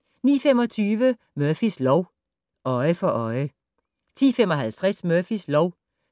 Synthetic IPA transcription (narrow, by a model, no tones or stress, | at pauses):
nḭːfemɒ̽t͡sʰyːʋə | mœɐfislɒʊ | ʔɒ̽ɪəfɒ̽ʔɒ̽ɪə | t͡sʰḭːfemɒ̽ɦælt͡sʰʁasmœɐfislɒʊ